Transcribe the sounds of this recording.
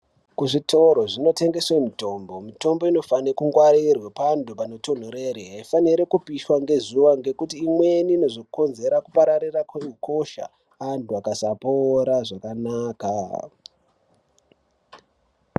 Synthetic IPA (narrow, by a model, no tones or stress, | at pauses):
kuʐitʰo̞ɾo̞ʐino̞te̞ŋɡe̞swemito̞mbo̞mito̞mbo̞ino̞fanekuŋɡwaɾirwepandupano̞to̞n̤oɾeɾeɦaifaniɾekupiʃwaŋɡe̞zuʋaŋɡe̞kutiːmwe̞niːno̞zo̞ko̞nze̞ɾakupaɾaɾirakweukʰo̞ʃa̰ː | ntuakasapoɾaʐakanaːka